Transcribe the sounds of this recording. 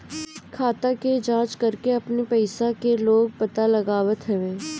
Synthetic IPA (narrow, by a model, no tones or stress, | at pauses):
kʰaːt̪aked͡ʒãːt͡ʃkɐɾkeɐpnepɛɪsakeloːɡ̚pɐt̪alɐɡaːʋət̪ɦɛʋẽː